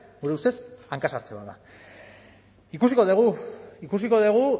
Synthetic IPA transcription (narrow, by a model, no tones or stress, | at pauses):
ɡuɾe̞ust̪e̞saŋkasaɾt͡seβaða | ikusiko̞ðeɣuikusiko̞ðeɣ̞u